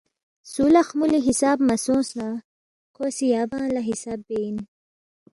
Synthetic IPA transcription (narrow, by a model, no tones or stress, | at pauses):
sulaxmuliɦisaːbmasõːsna | kʰosijaːbãːlaɦisaːbben